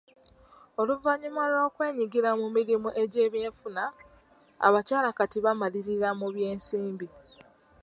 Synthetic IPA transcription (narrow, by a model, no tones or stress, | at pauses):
o̞luvaɲumalo̞ːkwe̞ːɲiɡiɾamumiɾimuʔe̞ɟe̞ːβje̞ːɱfuna | a̰βacaːlakatiβamaliɾiɾamuβje̞ːnsiːmbi